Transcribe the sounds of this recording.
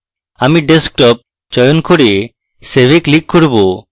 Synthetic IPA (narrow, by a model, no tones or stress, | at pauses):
amiɖesk̚ʈɔp̚ | t͡ʃɔjonkʰoɾe | sebeklikʰːoɾbo